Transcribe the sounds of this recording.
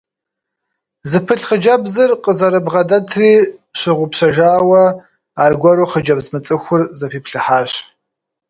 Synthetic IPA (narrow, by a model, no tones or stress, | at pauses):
zɨpʰɨɬχəd͡ʒɐbzɨrqʼəzɐɾɨbʁɐdɐtʰriːɕɪʁʷʊpɕɐʒaːwɐ | aːrɡʷɐɾuχəd͡ʒɐbzmɨt͡sʼɨxʷʊrzɐpʰiːpʰɬɨħaːɕ